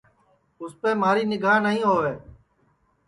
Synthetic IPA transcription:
ʊspeːmaːɾiːnɪɡʱaːnəɦĩːɦoːʋeː

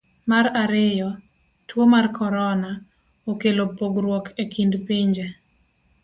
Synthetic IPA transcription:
maɾaɾɪjɔ | twomarkʰɔɾɔna | okelopoɡɾwɔkʰekindpiɲd͡ʒe

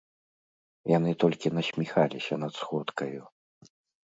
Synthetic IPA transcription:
janɨt̪ɔlʲkʲinɐsʲmʲixalʲisʲɐnɐt̪sxɔt̪kɐju

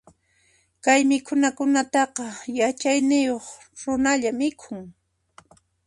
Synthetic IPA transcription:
kajmɪkʰʊnakʊnat̪ɑqɑjat͡ʃajnɪjoχ | ɾʊnaʎamɪkʰʊŋ

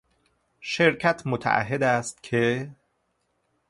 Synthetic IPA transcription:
ʃeɾcʰæt̪ʰmot̪ʰæ̰ʔæ̰ɦːed̪æːst̪̚cʰe

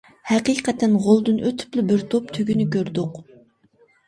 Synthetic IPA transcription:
hæqiqʰɛt̪ʰːɪnʁolˠd̪ɨnʔøt̪ʰy̥plɪbɪɾt̪ʰop̚t̪ʰøɡʲynykʲøɾd̪ʊq

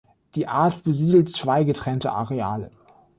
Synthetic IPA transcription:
d̥iːʔaːɐtb̥əziːdl̩tt͡sv̥aɪɡətʁ̥ɛntəʔa̰ʁea̰ːlə̰

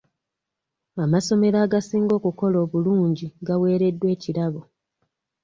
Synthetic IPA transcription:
amaso̞me̞ɾaːɡasiːŋɡo̞ːkuko̞lo̞ːβuluːɲɟiɡawe̞ːɾe̞dːwe̞ːciɾaβo

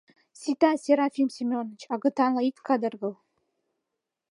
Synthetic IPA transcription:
sʲit̪ɑsʲeɾɑfʲimsʲimʲonːət͡ɕɑɡɤ̆t̪ɑnlˠɑit̪kɑd̪ərɣɤl

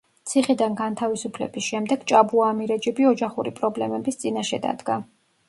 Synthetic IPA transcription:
t̪sʰiχid̪anɡant̪ʰavisupʰlɛ̰bisʃɛmd̪ɛɡ̥t͡ʃʼabuaːmiɾɛd͡ʒɛbiɔd͡ʒaχuɾipʼɾɔblɛmɛbist̪sʼinaʃɛd̪a̰d̪ɡa

